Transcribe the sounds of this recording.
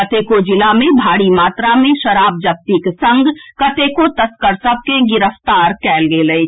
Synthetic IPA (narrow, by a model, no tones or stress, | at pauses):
ɐt̪eːkod͡ʒɪlamẽbʱaːɽimaːt̪ɾamẽʃɐɾaːb̚d͡ʒɐk̚t̪iksɐ̃ŋɡkɐt̪eːkot̪ɐskəɾsɐb̚ʱkeɡɪɾəft̪aːɾkɛːlɡeləe